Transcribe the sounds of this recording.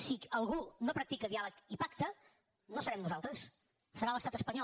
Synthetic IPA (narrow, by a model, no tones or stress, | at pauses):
siəlˠɣunopɾək̚t̪ikəðialəkipakt̪ə | nosəɾɛmnuzalˠt̪ɾəs | səɾaləst̪at̪əspəɲɔ